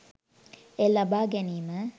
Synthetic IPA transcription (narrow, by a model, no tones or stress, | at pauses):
elɐbaːɡɛniːmə